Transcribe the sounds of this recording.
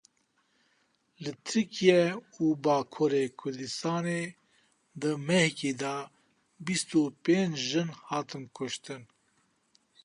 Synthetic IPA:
lɨt̪ʰɨɾkʰijɛuːbɑːkʰoɾekʰʊɾd̪ɨst̪ɑːneː | d̪ɨmɛhkeːd̪ɑ | bist̪upẽːnt͡ʃʒɨnhɑːt̪ɨnkʰʊʃt̪ɨn

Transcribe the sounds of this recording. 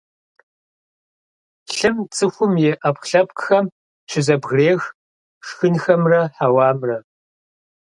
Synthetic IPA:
ɬɨmt͡sʰʼɨxʷʊmjeːʔɐpxɬɐp̚kʼxɐm | ʃʰʷɪzɐbɣreːx | ʂxɨnxɐmrɐħawɑːmrɐ

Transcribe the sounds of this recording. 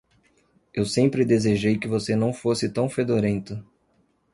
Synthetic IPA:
ewsẽmpɾɪd̪ezeʒejkɪvosenɐ̃w̃fosɪt̪ɐ̃w̃fed̪oɾẽnt̪ʊ

